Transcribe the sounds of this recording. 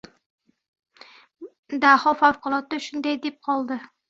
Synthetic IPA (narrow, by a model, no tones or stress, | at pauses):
d̪ahɒfawqʊlˠɒt̪ːaʃʊnd̪ajd̪ep̚qʰɒlˠd̪ɪ